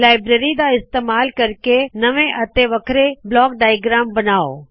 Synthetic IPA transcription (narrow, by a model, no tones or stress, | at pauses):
laːɪbɾeːɾid̪aɪst̪eːmaːlkɐɾkenɐʋẽʔɐt̪eʋɐkʰɾeblɔːkɖaːjɡɾaːmbɐnaːo̰ː